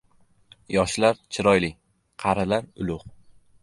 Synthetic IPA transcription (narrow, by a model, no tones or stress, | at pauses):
jɒʃlaɾt͡ʃʰɪɾɒjlɪ | qʰɑɾalaɾʊlˠʊq